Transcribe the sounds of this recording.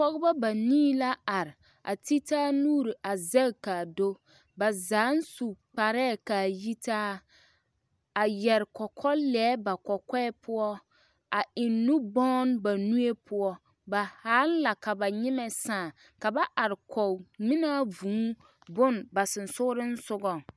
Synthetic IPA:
pɔ˦ɣba˦ba˨niː˦la˦a˨ɾɪ˨ | a̰˨ti˦taː˦nuː˦ɾi˨a˨zɛ˦˨ka˨do˦ | ba˨zaː˨˦n˦su˨k͡pa˨ɾɛː˦˨ka˨ji˦taː˦ | a˨jɛ˨ɾɪ˨kɔ˨kʰɔ˦lɛ˨˦ba˨kɔ˨kɛ˦pʰʊ˦ɔ˦ | a˨ɪ˨nːʊ˦bɔː˦nba˨nu˦e˦pʰʊ˦ɔ˦ | ba˨haː˦lla˨ka˨ba˨ɲɪ˦mɛ˨saː˦˨ | ka˨ba˦ʔa˨ɾɪ˨kʰɔ˨mɪ˦na˦vũː˨˦ | bʊ˦nba˨sɪ˨n˨sʊ˦ʊ˦ɾɪ˦n̩˦sʊ˦ɡɔ˨

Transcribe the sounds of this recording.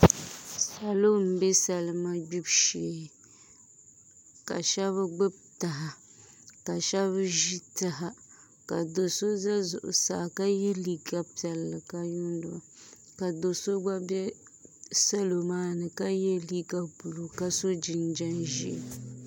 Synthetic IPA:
sa˨lo˦m̩˨˦bɛ˦sa˨lɨ˦ma˦ɡ͡bi˦bʃe˨ | ka̰˨ʃɛ˦βɨ˦ɡ͡bɨ˦b̚ta˨ɦa˨ | ka˨ʃɛ˦βʒi˦ta˨ɦa˨ | ka˨do˨so˦za˦zʊ̰˨ʔʊ̰˨sa̰ː˨ka˦jɛ˦li˦ɡa˦pɛ˨lːɨ˨ka˦ju˦n˦dʊ˨a˨ | ka˨do˨so˦ɡ͡ba˦bɛ˦ | sa˦lo˨maː˦nɨ˨ka˦jɛ˦li˦ɡa˦bu˨lo˨ka˦so˦d͡ʒi˨nd͡ʒa˦nʒḭ˨

